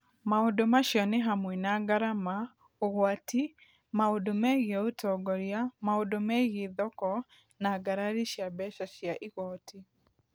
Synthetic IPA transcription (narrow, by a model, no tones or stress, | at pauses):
maodomaʃjɔneɦamwɛnaɡaɾama | oɣwati | maodomɛɣɛotʰɔɡɔɾjamaodomɛɣeðɔkɔ | naɡaɾaɾiʃjabɛʃaʃjaʔiɣɔtʰi